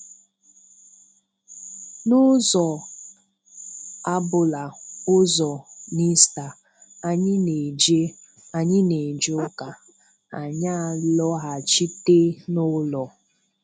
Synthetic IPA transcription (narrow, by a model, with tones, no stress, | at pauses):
nʊ˦zɔ˨ | a˦bʊ˨la˨ʊ˦zɔ˨ni˦sta˨ | a˦ɲɪ˦ne˨d͡ʒe˦ | a˨ɲɪ˦ne˨d͡ʒe˦ʊ˦ka˨ | a˨ɲa˦a˨lɔ˦ɦa˨t͡ʃi˦te˦nʊ˦lɔ˨